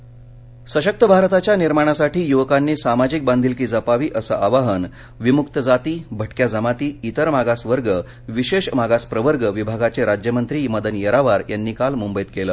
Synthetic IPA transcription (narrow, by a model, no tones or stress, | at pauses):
səɕək̚t̪əbʱaɾt̪at͡ɕjaniɾmaɽ̃asaʈiːjuʋkanːiːsamad͡ʑik̚band̪ʱilkiːd͡zəpaʋiːʔəsəʔaʋaɦən | ʋimukt̪əd͡zat̪iːbʱəʈkjad͡zəmat̪iːit̪əɾmaɡasʋəɾɡə | ʋiɕeɕmaɡaspɾəʋəɾɡəʋibʱaɡat͡seɾad͡ʑjəmənt̪ɾiməd̪ənjəɾaʋaɾjanːiːkalmumbəjit̪keləː